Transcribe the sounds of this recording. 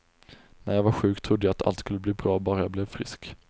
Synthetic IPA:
næɾjavaɾɧʉ̟ːkt̪ʰɾʊd̪ːəjaat̪ʰa̰lt̪skɵlːəbliːbɾɑːbɑːɾajablɛvfɾɪ̰sk

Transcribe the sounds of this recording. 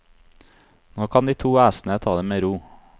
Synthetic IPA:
noːkʰɑnd̪iːt̪ʰuːæːsn̩ət̪ʰɑːd̪eːmeːɾuː

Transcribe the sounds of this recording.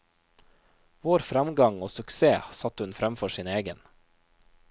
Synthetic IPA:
ʋoːɾfɾɑmɡɑŋoːsʉkseːsɑt̪hʉnfɾæmfɔʃiːneːɡən

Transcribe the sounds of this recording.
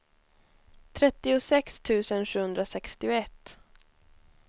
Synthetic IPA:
t̪ʰɾɛt̪ːɪʊsɛkst̪ʰʉ̟ːsənɧʉ̟ːɵnd̪ɾasɛkst̪ɪʊɛt̪ː

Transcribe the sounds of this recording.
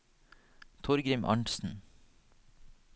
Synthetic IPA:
t̪ʰʊɾɡɾɪmʔɑ̰ɳʈsn̩

